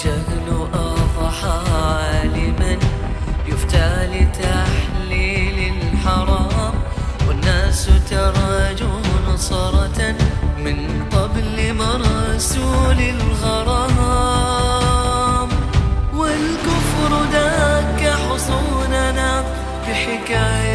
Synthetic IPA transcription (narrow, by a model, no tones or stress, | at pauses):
ʃahlʔɑfˤɑħahalɪmanjʊft̪aːlɪt̪aħlilɪlħɑɾˤɑːmwɪnːaːst̪ɑɾˤɑd͡ʒunɑsˤɑɾˤɑtmɪn | qɑblɪmɑɾˤsuːlɪlɣɑɾˤɑɑː | mwɪlkʊfɾd̪aːkaħʊsˤuːnana | bɪħɪkaːja